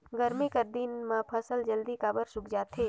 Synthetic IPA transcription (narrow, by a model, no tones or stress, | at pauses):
ɡəɾmikɐɾd̪inmãpʰəsəld͡ʒəld̪ikaːbəɾsʊkd͡ʒaːt̪ʰɦeː